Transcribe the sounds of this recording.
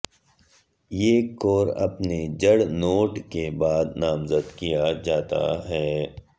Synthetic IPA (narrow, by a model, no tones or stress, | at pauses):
jeːkoːɾɐ̰pned͡ʒɐɽnoːʈkebaːd̪naːmzəd̪kijad͡ʒaːt̪a̰ɦɛː